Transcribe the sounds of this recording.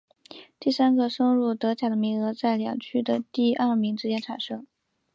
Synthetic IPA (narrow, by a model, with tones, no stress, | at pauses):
t̪i˥˩sa˥nɡə˧ʂɤ˥ŋɻu˥˩t̪ɤ˧˥t͡ɕja˨˩d̪ə˦mi˧˥ŋɤ˧˥t͡sa˥˩ɪljɑ̰˨˩ŋt͡ɕʰy˥d̪ə˨t̪i˥˧ɐ˥˩mi˧˥ŋʈ͡ʂɻ̩˥t͡ɕjɛ˥nʈ͡ʂʰa˨˩nʂɤ˥ŋ